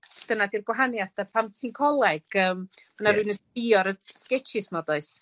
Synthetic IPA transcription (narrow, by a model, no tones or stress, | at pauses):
d̥ənadirɡwaɦanjaθapʰamtʰinkʰɔlˠɛɡ̥əːmmanaɾuɨnəspɪɔɾəskɛt͡ʃʰɪsmɔdɔɨs